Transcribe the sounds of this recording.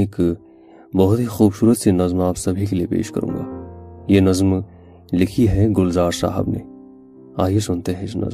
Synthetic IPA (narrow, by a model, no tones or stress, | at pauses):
ɪk | bɐɦʊt̪ɦixuːbsuːɾət̪senɐzmaːpsɐbʱikeliepḛːʃkɐ̰ɾʔṵ̃ːŋɡaːjeːnɐzm | lɪkʰiɦɛ̃ɡʊlzaːɾsa̰ːɦɪ̰bnḛ | aːjesʊnt̪eɦɛ̃ɪsnɐ̰zm